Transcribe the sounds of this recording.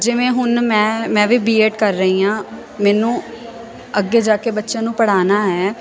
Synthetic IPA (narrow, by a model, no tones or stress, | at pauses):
d͡ʒɪʋẽːɦʊnmɛ̃ːmɛ̃ːʋiːbiːeːʈkəɾːəiːãː | mɛːnũː | əɡːeːd͡ʒaːkeːbətːʃãːnũːpəɽ̤aːnaːɦɛː